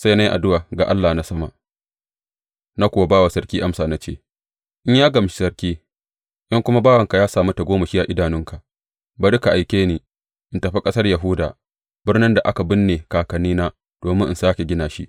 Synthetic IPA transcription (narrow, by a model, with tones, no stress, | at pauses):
sa˦jna˦jʔa̰˨dʊ˦waː˨ɡa̰˨ʔa˦lːaː˨na˦sɐ˦ma˨ | na˦kʷʊ˨wa˨baː˦wa˨sɐ˦rkʲiː˦ʔa˦msaː˨na˦t͡ʃeː˦˨ | ʔɪ˦ɲjaː˦ɡɐ˨m˨ʃi̥˨sɐ˨rkʲiː˦ | ʔɪ˦ŋkʷʊ˦ma˦baː˦wɐ˨ŋka˨jaː˦saː˨mu˦ta˨ɡʷoː˦mɐ˨ʃiː˦ja˨ʔɪ˦daː˨nɪ˦ŋka˨ʔ | bɐ˨dɪ˦ka˨ʔa˨jkʲeː˦niː˨ | ʔɪ˨ntɐ˨ɸi˦kʼɐ˦sɐ˦rja˨ɦʊ˦da̰ː˨ | bɪ˦rnɪ˦nda˨ʔa˦ka˨bɪ˦nːeː˨kaː˨kɐ˨niː˦naː˦ | d̥oː˨mɪ˦nʔɪ˨saː˦kʲe˨ɡʲɪ˦naː˨ʃi˦ʔ